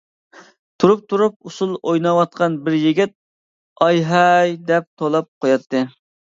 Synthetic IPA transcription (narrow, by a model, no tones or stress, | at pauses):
t̪ʰuɾup̚t̪ʰuɾup̚usulˠojnɑwɑt̪̚qʰɑnbɪɾjiɡʲɪt̪̚ | ɑjɦɛjd̪ɛp̚t̪ʰolˠɑp̚qʰojɑt̪ʰːɨ